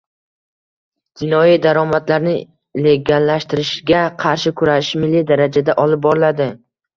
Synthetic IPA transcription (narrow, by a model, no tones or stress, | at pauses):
d͡ʒ̪ɪnɒjid̪aɾɒmat̪laɾnɪ | le̞ɡʲalːaʃt̪ɪɾɪʃɡʲaqʰɑɾʃɪkʰʊɾaʃmɪlːid̪aɾad͡ʒad̪aʔɒlɪp̚bɒɾɪlad̪ɪ